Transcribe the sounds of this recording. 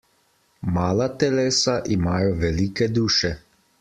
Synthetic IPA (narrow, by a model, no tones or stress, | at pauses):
maːlat̪ɛleːsaʔimaːjɔʋɛliːkɛd̪uːʃɛ